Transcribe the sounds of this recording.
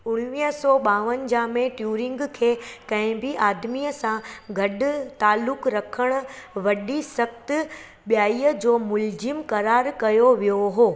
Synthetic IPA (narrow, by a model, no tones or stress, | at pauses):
ʊɽ̃ʋiːɦsɔːɓaːʋən̆d͡ʑaːmẽʈjuːɾɪ̃ŋɡkʰeːkɐ̃ɦɪ̃biʔaːd̪miəsãɡʱɐɗ̆t̪aːlːʊkɾɐkʰəɽ̃ʊ̆ʋɐɗisɐkt̪ | ɓjaːiːəd͡ʑoːmʊld͡ʑɪmkɐɾaːɾkɐjoʋijoɦoː